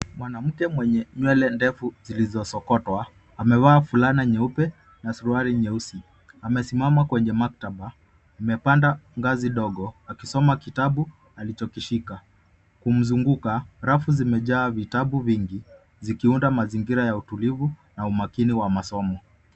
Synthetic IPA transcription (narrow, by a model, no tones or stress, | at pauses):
mwanam̩kɛmwɛɲɛɲwɛlɛndɛfuzilizɔsɔkɔtwaː | mɛwaːfulanaɲɛupɛ | nasuɾuaɾiɲɛusi | amɛsimamakwɛɲɛmak̚taɓa | mɛpandaŋɡaziɗɔɠɔakisɔmakitaɓu | alit͡ʃɔkiʃika | kum̩zuŋɡukaɾafuzimɛʄaːvitaɓuviŋɡi | zikiundamaziŋɡiɾajautulivunaumakiniwamasɔmɔ